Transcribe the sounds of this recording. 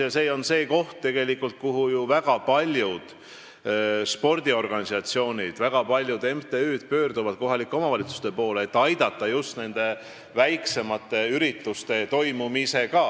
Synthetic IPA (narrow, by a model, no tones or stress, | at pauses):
jɑseːo̞nse̞ːko̞ht̪t̪e̞ɡ̥e̞likːˑult̪̚kuɦujuvæɡ̥ɑpɑlʲjud̪̥ | spo̞rd̪̥io̞rɡ̥ɑnʲisɑt̪sio̞ːnʲid̪̥væɡ̥ɑpɑlʲjud̪e̞mt̪e̞yːd̪̥̚pø̞ːrd̪uvɑd̪̥̚ko̞ɦɑlikːˑeo̞mɑvɑlʲit̪su̥st̪e̞po̞ːleːt̪ːˑɑjd̪̥ɑt̪ˑːɑjust̪ne̞nd̪̥e̞ | væjkse̞mɑt̪ːˑe̞yɾit̪ːˑust̪e̞t̪o̞jmumise̞kɑ